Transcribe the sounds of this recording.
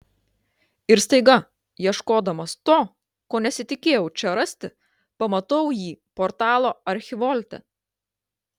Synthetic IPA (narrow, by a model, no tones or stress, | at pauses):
ɪɾst̪ɐɪɡɐ | jiɛʃkoːd̪ɐmɐst̪oː | koːnʲɛsʲɪt̪ʲɪkʲeːjɛʊt͡ʃʲɛɾɐsʲt̪ʲɪ | pɐmɐt̪ɐʊjiːpɔɾt̪ɑːlˠoːɐɾʲxʲɪʋɔlʲt̪ʲɛ̰